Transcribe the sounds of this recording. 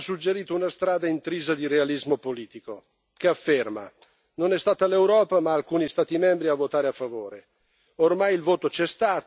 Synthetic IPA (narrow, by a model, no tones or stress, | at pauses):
sːud͡ʒːeɾiːt̪ounast̪ɾaːd̪aint̪ɾiːzad̪iɾealizmopoliːt̪iko | keafːerma̰ | nonɛst̪aːt̪alewɾɔːpamaːlkuːnist̪aːt̪imɛmbɾiavːot̪aːɾeafːavoːɾe | ormajilvoːt̪ot͡ʃɛst̪aːt̪